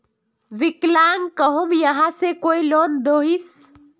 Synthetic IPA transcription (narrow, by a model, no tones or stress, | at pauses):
ʋiklaːŋkəɦomjəɦãsekoːiloːnd̪oːɦis